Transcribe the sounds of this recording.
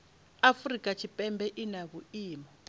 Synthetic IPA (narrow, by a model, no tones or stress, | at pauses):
afrikʼat͡ʃʰipʼɛmbɛʔinaβuiːmɔ